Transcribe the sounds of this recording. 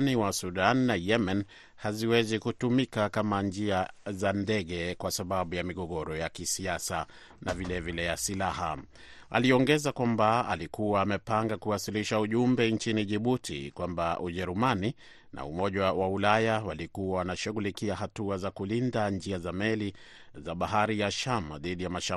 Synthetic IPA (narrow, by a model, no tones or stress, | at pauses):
niwasuɗanːajɛman | haziwɛzikutumikakamand͡ʒiazandɛɠɛkwasaɓaɓujamiɠɔɠɔɾɔjakisiasa | navilɛvilɛjasilaha̰ | a̰liɔŋɡɛzakwambaa̰likuwaːmɛpaŋɡakuwasiliʃauʄumbɛnt͡ʃiniʄiɓutʰḭkwambaʔuʄɛɾumani | na̰umɔʄawaulajawalikuwawanaʃuɣulikiaɦatuazakulindand͡ʒiazamɛli | zaɓaɦaɾijaʃama̰ðiɗijamaʃa